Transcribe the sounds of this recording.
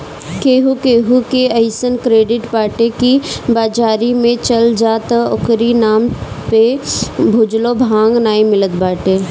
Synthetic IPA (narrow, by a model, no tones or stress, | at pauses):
keːɦukeːɦukeəɪsənkɾeːɖɪʈpaːɾʈekibaːd͡ʒaːɾimẽt͡ʃɐld͡ʒaːt̪ʊkɾinaːm | pebʱʊd͡ʒlobʱãːŋɡnaːĩmɪlət̪baːʈe